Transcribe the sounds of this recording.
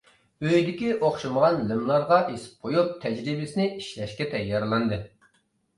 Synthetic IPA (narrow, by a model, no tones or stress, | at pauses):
øjd̪ɪkʲiʔoχʃɨməʁɑnlɪmlˠɑɾʁɑʔesɪ̥p̚qʰojup̚t̪ʰɛd͡ʒɾibɪsɪnɪiʃlɛʃkʲɛt̪ʰɛjːɑɾlˠɑnd̪ɨ